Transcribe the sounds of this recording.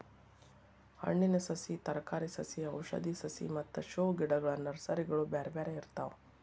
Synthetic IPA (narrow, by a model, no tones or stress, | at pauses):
hɐ̰ɳːinɐsɐsit̪ɐɾɐkaːɾisɐsiɐwʃɐ̰d̪isɐsḭmɐt̪ːɐʃoːɡiɽɐɡɐɭɐnɐɾsɐɾiɡɐɭubeːɾebeːɾeiɾt̪aːʋ